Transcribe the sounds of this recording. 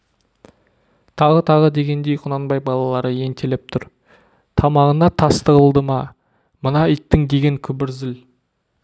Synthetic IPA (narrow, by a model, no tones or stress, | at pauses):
t̪ʰɑʁət̪ʰɑʁəd̪e̞ɡʲe̞nd̪e̞jqʰʊnɑnbɑjbɑlˠɑlˠɑɾəje̞nt̪ʰelep̚t̪ʰʊɾ | t̪ʰɑmɑʁənɑt̪ʰɑst̪əʁəlˠd̪əmɑ | mənɑət̪ːɪŋd̪e̞ɡʲe̞ŋkʲʰʏbɪɾzɪl